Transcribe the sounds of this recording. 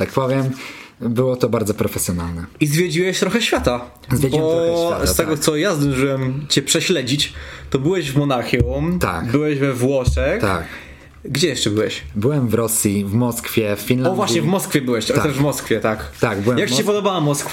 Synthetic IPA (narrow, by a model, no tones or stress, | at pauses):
t̪ak̚pɔvʲjɛmbɘwɔt̪ɔbaɾd̪zɔpɾɔfɛsʲjɔnalnɛizvʲjed͡ʑiwɛɕt̪ɾɔxɛɕfʲjat̪a | zvʲjed͡ʑbiɔɔsat̪ɛɡɔt̪sɔjazd̪ɔ̃ʐɨwɛmt͡ɕɛpʂɛɕlɛd͡ʑit͡ɕt̪ɔbɘwɛʑvmɔnaxjɔt̪a̰kbɘwɛʑvɛvwɔʂɛt̪a̰k | ɡd͡ʑɛjɛʂt͡ʂɛbɘwɛɕbɘwɛmvɾɔsʲjivmɔskfʲjɛfːʲinlaɔdvwaɕɲɛvmɔskfʲjɛbɘwɛɕt̪t̪ɛʐvmɔskfʲjɛt̪akt̪aɡbɘwɛjakmt͡ɕɛpɔd̪ɔbawamɔskf